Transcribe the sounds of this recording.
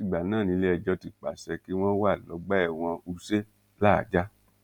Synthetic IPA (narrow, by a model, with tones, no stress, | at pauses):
i˦˨ɡ͡ba˨nãː˦˨nĩ˧˦le˦ɛ˧˨d͡ʒɔ˧ti˨k͡pa˨sɛ˧ki˦w̃ɔ̃˦wa˦˨lɔ˨˦ɡ͡bɛ˦ɛ˦˨w̃ɔ̃˧u˧se˦ | la̰˦˨d͡ʒa˦